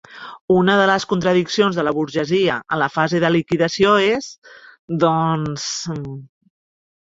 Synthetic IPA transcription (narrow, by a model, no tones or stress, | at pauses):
unəðələskunt̪ɾəðiksionzðələβuɾʒəziəʔə̰nləfazeðəlikiðəsioezd̪ɔns